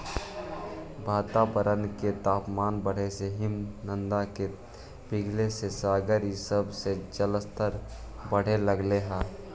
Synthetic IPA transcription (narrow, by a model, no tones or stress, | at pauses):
bʱaːt̪aʋəɾənket̪aːpmaːnbəɽ̤eseɦɪmnə̃nd̪ake | b̥ɪɡʱlesesaːɡəɾisəbsed͡ʒələst̪əɾ | bəɽ̤eləɡleɦaː